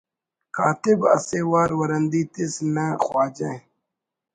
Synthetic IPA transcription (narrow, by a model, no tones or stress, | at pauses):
kʰaːt̪ɪbɐ̰seːwaːɾwɐɾɐnd̪iːt̪isnɐxwaːd͡ʑẽ